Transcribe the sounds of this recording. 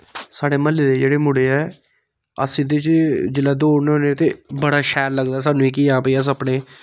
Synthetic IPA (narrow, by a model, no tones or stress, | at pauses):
saːɽeːməlːeːd̪eːd͡ʒeːɽeːmʊɽeːɛː | ə̰sĩːd̪eːt͡ʃd͡ʒɪlaːd̪oːɽnːõːnet̪ḛːbəɽaːʃɛːlləɡd̪aːs̬aːnũːiːkiːaːpəiːaːs̬əpɽeː